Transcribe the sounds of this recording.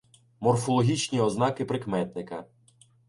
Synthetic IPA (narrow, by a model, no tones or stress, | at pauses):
mɔrfɔlˠɔɦʲit͡ʃnʲiɔznɑkɪpɾɪkmɛt̪nɪkɐ